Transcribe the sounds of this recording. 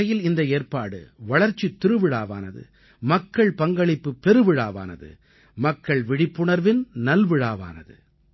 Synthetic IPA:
ɐjɪlɪnd̪ɐeːrpaːɽɯ̰ʋɐɭɐɾt͡ʃːit̪ːɪɾɯʋɪɽaːʋa̰ːnɐ̰ðɯ̰ | mɐkːɐɭpɐŋɡɐɭɪpːɯpɛɾɯʋɪɻaːʋa̰ːnɐ̰ðɯ̰ | mɐkːɐɭʋɪɽɪpːʊɳɐɾʋɪnnɐlʋɪɻaːʋa̰ːnɐ̰ðɯ̰

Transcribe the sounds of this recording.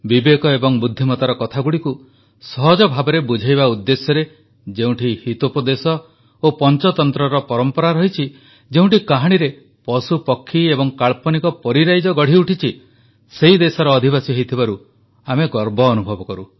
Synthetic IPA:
bibekɔebɔŋbud̪ʱːimɔt̪aɾɔkɔt̪ʰaɡuɽiku | sɔɦɔd͡ʒɔbʱabɔɾebud͡ʒʱajβaud̪ːesjɔɾe | d͡ʒeũʈʰihit̪opɔd̪esɔ | opɔnt͡ʃɔt̪ɔnt̪ɾɔɾɔpɔɾɔmpɔɾaɾɔɦit͡ʃʰi | d͡ʒeũʈikaɦaɽ̃iɾe | pɔsupɔkʰːiebɔŋkaɭpɔnikɔpɔɾiɾajd͡ʒɔɡɔɽ̤iuʈʰit͡ʃʰi | seid̪esɔɾɔːd̪ʱibasiɦɔjt̪ʰibaɾu | ameɡɔɾbɔːnubʱɔbɔkɔɾu

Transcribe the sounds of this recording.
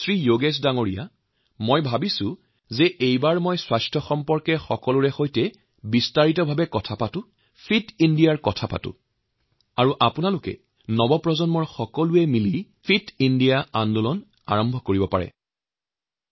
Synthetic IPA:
sɹijoɡesdaŋoɹija̰ | mojbʱabisʊ̃ | zɛʔejbaɹmojswajstʰɔxɔmpɔɹkɛxɔkɔluɹɛxojtɛ | bistaɹitɔbʱabɛkɔtʰapatʊ | pʰitindijaɹkɔtʰapa̰tʊ̰ | aɹuʔapʊnalʊkɛ̰ | nɔbɔpɹɔzɔnmɔɹxɔkɔluɛmili | pʰitindijaandɔlɔn | a̰ɹɔmbʱɔkoɹibɔpa̰ɹɛ̰

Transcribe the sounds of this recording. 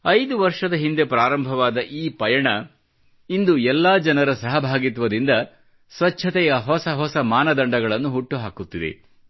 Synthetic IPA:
ɐjd̪uʋɐɾʂɐd̪ɐɦind̪e̞pɾaːɾɐmbʱɐʋaːd̪ɐʔiːpɐjɐɳɐ | ind̪uɛlːaːd͡ʒɐnɐɾɐsɐɦɐbʱaːɡit̪ʋɐd̪ind̪ɐ | sʋɐtʰːɐt̪ɛjɐɦɔsɐɦɔsɐmaːnɐd̪ɐɳɖɐɡɐɭɐnːuɦuʈːuɦaːkut̪ːid̪ḛ

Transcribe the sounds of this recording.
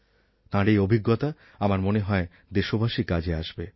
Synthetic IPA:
t̪ãɾejobʱiɡːot̪a | amaɾmoneɦɔe | d̪eʃobʱaʃikad͡ʑʱeaʃbe

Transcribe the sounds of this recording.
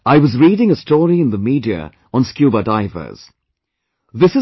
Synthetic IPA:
aɪwʌzɹiːɾɪ̃ŋəstɔːɹiɨ̃nðəmidiə̰ | ə̃nskjʉbədaɪvə̰z̥ | ðɪsɨ

